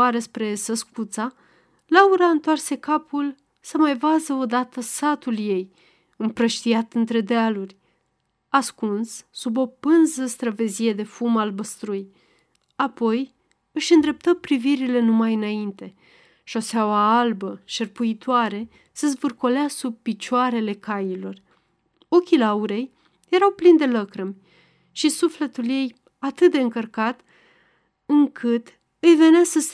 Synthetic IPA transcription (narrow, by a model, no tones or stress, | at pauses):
aɾəspɾe̞səskut̪sa | lauɾaɨnt̪oarse̞kapʰul | səmajvazəo̞d̪at̪əsat̪ulje̞j | ɨmpɾəʃt̪iat̪ɨnt̪ɾe̞d̪ealurʲ | askunsːubo̞pɨnzəst̪ɾəve̞zije̞d̪e̞fumalbəst̪ɾuj | apo̞j | ɨʃɨnd̪ɾe̞p̚t̪əpɾiviɾile̞numajɨnaint̪e̞ | ʃo̞seawaalbəʃerpuit̪oaɾe̞ | səzvɨrko̞leasub̚pit͡ʃoaɾe̞le̞kajilo̞r | okʲilauɾe̞j | je̞ɾawplind̪e̞ləkɾəmʲ | ʃisufle̞t̪ulje̞j | at̪ɨt̪̚d̪eɨŋkərkat̪ | ɨŋkʰɨt̪ | ɨjve̞neasəs